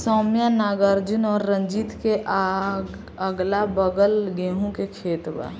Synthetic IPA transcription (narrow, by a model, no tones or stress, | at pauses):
sɔːmjanaɡəɾd͡ʒunɔːɾːə̃d͡ʒit̪keʔaɡ | əɡlabəɡəlɡeɦũkekʰeːt̪ba̰